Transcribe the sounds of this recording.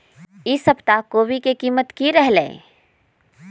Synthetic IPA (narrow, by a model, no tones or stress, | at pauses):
ɪsəbt̪akoːʋikekiːmət̪kiɾɛɦlḛ̃ː